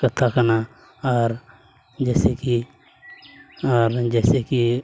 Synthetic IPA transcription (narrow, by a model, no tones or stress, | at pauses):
kət̪ʰːakəna | ɔːɾ | d͡ʒɛːseki | ɔːɾd͡ʒɛːseki